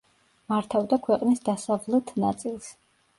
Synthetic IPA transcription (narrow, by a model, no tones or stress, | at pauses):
maɾt̪ʰavd̪akʰwɛqʼnisd̪asavlˠɛt̪ʰna̰t̪sʼilˠs